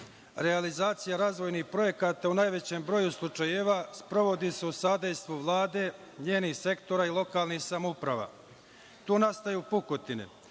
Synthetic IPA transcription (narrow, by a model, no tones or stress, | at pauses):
ɾealizaːt̪sijaɾaːzʋo̞jnihpɾo̞je̞kat̪aunajʋe̞t͡ɕembɾo̞ːjuslˠut͡ʂajeːʋaspɾo̞ʋo̞d̪iseusad̪ejst̪ʋuʋlˠaːd̪e̞ɲeːnihse̞kt̪o̞ɾailˠo̞kaːlˠnihsamoupɾaʋa̰ | t̪oːnast̪ajuːpukot̪inḛ